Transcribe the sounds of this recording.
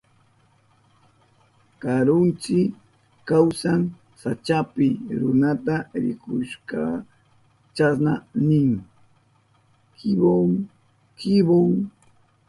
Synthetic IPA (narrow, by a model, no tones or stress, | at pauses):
kaɾʊnt͡ʃɪk | kawsaŋ | sat͡ʃapɪɾʊnat̪aɾɪ̰kʊʃkɑ | t͡ʃasnanɪŋ | kʰɪboŋ | kɪboŋ